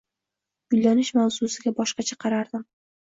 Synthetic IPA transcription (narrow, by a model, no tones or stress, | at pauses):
ɡ̥ʊlʲːanɪʃmawzusɪɡʲabɒʃqɑt͡ʃʰaqʰɑɾaɾd̪ɪm